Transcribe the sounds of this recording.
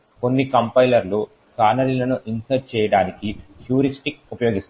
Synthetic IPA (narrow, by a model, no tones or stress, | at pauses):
ko̞nːikɐmpɐjlɐɾlu | kaːnɐɾilɐnuʔinsɐɾ̚t͡ʃɛːjɐɽaːnikiʈjuːɾisʈik̚upɐjo̞ːɡist̪